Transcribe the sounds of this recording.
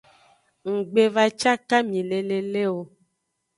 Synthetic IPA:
ŋ̩˨ɡ͡be˨va˦t͡ʃa˦ka˦mĩ˨le˨le˦le˦wo˨

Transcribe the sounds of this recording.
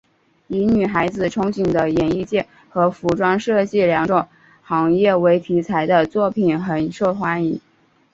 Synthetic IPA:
i˧˥ny˨˩xa˧˥ɪd͡zɹ̩˨ʈ͡ʂʰʊ˥ŋt͡ɕi˨˩ŋd̪ə˦jɛ˨˩ni˥˧t͡ɕjɛ˥˩n | xɤ˧˥fu˧˥ʈ͡ʂwɑ˥ŋʂɤ˥˧t͡ɕi˥˩ljɑ˧˥ŋʈ͡ʂʊ˨˩ŋ | xɑ˧˥ŋjɛ˥˩we˧˥ɪt̪ʰi˧˥t͡sʰa˧˥ɪd̪ə˧t͡swɔ˥˩pʰi˨˩nxə˨˩nʂo˥˩xwa˧˥ni˧˥

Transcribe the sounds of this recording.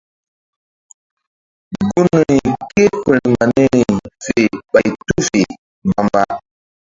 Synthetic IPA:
ɡu˦n˨i˨ke˦kə˨li˨ma˨ne˦ɾi˨fe˨ɓa˨tu˦fe˨ | mba˦mba˦

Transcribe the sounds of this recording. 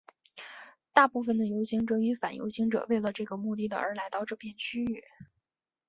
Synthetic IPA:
t̪a˥˧pu˥˩fə˩nd̪ə˩jo˧˥ʊɕi˧˥ŋʈ͡ʂɤ˨˥y˧˥fa˨˩njo̰˧˥ʊɕi˧˥ŋʈ͡ʂɤ̰˨˩we˥˩ɪlə˩ʈ͡ʂɤ˥˩ɡə˩mu˥˧t̪̬i˥˩d̪ə̰˩ʔə̰˞˧˥la˧˥ɪt̪ɑ˥˧ʊʈ͡ʂɤ˥˧pʰjɛ˥˩nt͡ɕʰy˥y˥˩

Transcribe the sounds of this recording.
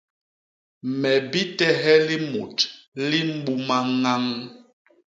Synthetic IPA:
mɛ˨bi˦tɛ˦ɦɛ˦li˦mṵ˨tli˦m̩˦ɓu˦ma˦ŋa˦ŋ

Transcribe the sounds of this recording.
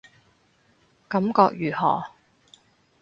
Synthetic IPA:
kɐ˨˥mkɔː˧k̚jyː˨˩hɔ̰ː˨˩

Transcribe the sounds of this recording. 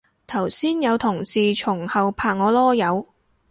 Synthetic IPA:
t̪ʰɐ˨˩wsiː˥njɐ˨˧wt̪ʰʊ˨˩ŋsiː˨t͡ʃʰʊ˨˩ŋhɐ˨wpʰaː˨k̚ŋɔː˨˧lɔː˥jɐ˨˧w

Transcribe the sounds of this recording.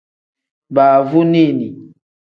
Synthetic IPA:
ba˨vu˦ni˦˨ni˨

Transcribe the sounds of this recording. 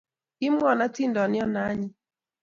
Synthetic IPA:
ɪ˦m˦ɔ˨na˦tɪ˦ndɔ˨nɪ˦ɔ˦na˦ɲɪ˦

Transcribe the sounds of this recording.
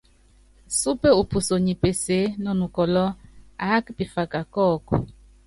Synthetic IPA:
su˦pe˦u˨pʰu˨so˨ɲi˨pe˨se˨˦nɔ˦nu˨kɔ˨lɔ˦a˦kpi˨fa˨ka˨kɔ˦˨ku˨

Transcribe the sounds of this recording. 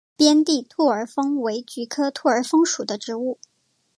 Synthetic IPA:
pjɛ˥nt̪i˥˧t̪ʰu˥˩ə˞˨˧˥fɤ˥ŋwe˧˥ɪt͡ɕy˧˥kʰɤ˥t̪ʰu˥˩ə˞˧˥fɤ˥ŋʂu˨˩d̪ə˦ʈ͡ʂɻ̩˧˥u˥˩

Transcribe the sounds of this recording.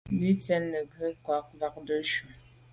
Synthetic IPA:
li˦tɛ˦nːə˨ɡə˦kwa˨˦k̚va˦k̚də˦ʃu˨

